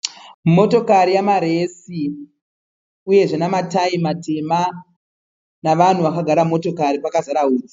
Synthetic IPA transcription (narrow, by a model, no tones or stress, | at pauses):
mo̞to̞kaɾijamaɾe̞si | uje̞ʐenamataimatʰe̞ma | naʋan̤uʋakaɡʱaɾamo̞to̞kaɾipakazaɾaɦuːd͡zi̥